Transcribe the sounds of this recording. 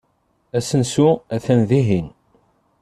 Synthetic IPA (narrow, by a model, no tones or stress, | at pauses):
æsənsuæθænðiɦin